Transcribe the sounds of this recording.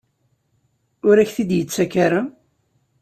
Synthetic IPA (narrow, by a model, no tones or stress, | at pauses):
ʊɾæçθid̪jət͡sːækaɾa